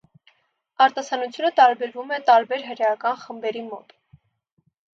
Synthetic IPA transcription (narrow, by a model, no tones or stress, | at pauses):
ɑɾt̪ɑsɑnut͡sʰjunət̪ɑɾbɛɾvumɛt̪ɑɾbɛɾɦəɾjɑkɑnχəmbɛɾimɔt̪